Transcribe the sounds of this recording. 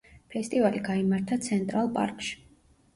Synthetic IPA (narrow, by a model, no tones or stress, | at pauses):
pʰɛst̪ʼivaliɡaimaɾt̪ʰat̪sʰɛnt̪ʼɾalˠpʼa̰ɾkʼʃi̥